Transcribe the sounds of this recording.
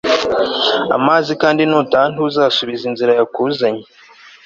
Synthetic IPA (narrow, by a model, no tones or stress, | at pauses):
a̰maːzikaːndinotaːntuzaːsuβizinziɾajakuːzaɲe